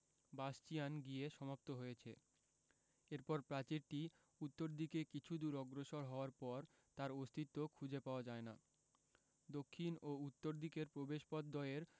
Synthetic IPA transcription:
bast͡ɕijanɡieʃɔmap̚t̪oɦojet͡ɕʰe | eɾpɔɾpɾat͡ɕiɾʈi | ut̪ːoɾd̪ʱikekit͡ɕʰud̪uɾɔɡɾoʃoɾɦɔoaɾpɔɾ | t̪aɾost̪ʰit̪ːokʰud͡ʑepaoad͡ʑaena | d̪okʰːinout̪ːoɾd̪ʱikeɾpɾobeʃpɔd̪ːɔeɾ

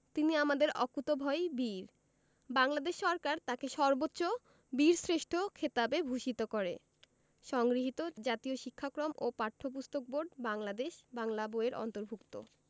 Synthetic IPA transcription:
t̪iniamad̪eɾɔkut̪obʱɔjbiɾ | baŋlad̪eʃːɔɾkaɾt̪akeʃɔɾbotːɕo | biɾsɾeʃʈʰokʰet̪abebʱuʃit̪okoɾḛ | ʃɔŋɡɾiɦit̪od͡ʑat̪ioʃikʰːakɾomopaɾʈʰːop̬ust̪ok̚boɾɖbaŋlad̪eʃbaŋlaboeɾʔɔ̰nt̪oɾbʱukt̪o̰

